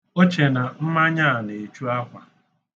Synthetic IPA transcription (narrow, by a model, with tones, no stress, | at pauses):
o˦t͡ʃe˨na˨m̩˦ma˦ɲa˦a˨ne˨t͡ʃu˦a˦kʷa˨